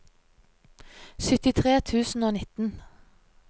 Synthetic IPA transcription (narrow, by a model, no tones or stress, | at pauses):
sʏt̪ɪt̪ʰʁeːt̪ʰʉːsn̩oːnɪt̪n̩